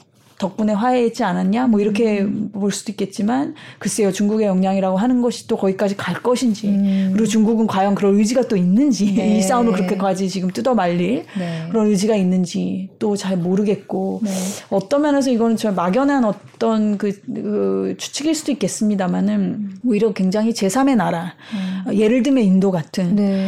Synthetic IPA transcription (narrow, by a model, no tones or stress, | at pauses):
tʌk̚p͈une̞waeɦet̚t͡ɕ͈ianaɲamwʌiɾʌkʰe̞poɭs͈ud̥oik͈e̞t̚t͡ɕ͈imankɯs͈e̞jot͡ɕuŋɡuɡe̞jʌŋɲaŋiɾaɡoɦanɯnɡʌɕʰi̥t͈okʌɡik͈ad͡ʑikaɭk͈ʌɕʰind͡ʑikɯɾiɡot͡ɕuŋɡuɡɯnkwajʌŋkɯɾʌnɯd͡ʑiɡat͈oinːɯnd͡ʑiis͈aɯmɾokɯɾʌkʰe̞kwad͡ʑit͡ɕiɡɯmt͈udʌmaʎːiɭkɯɾʌnɯd͡ʑiɡainːɯnd͡ʑit͈ot͡ɕaɭmoɾɯɡe̞t̚k͈oʌt͈ʌmjʌne̞s̬ʰʌiɡʌnɯnt͡ɕʌmaɡjʌnɦanʌt͈ʌnkɯkɯt͡ɕʰu̥t͡ɕʰiɡiɭs͈udoik͈e̞s͈ɯmɲidamanɯnuiɾʌkwe̞ŋd͡ʑaŋɦit͡ɕe̞sʰame̞naɾa | je̞ɾɯɭdɯme̞indoɡatʰɯn